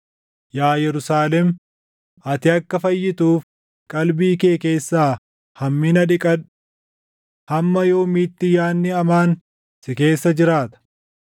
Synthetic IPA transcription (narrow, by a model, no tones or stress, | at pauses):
jaːjɛɾʊsaːlɛm | ʔɐt̪ɪɐkːɐfɐjːɪt̪uːf | kʼɐlbiːke̞ːke̞ːsːaː | hɐmːinɐᶑɪkʼɐᶑ | hɐmːɐjo̞ːmiːt̪ːɪjaːnːɪɐmaːn | sɪke̞ːsːɐd͡ʒɪɾaːt̪ɐ̥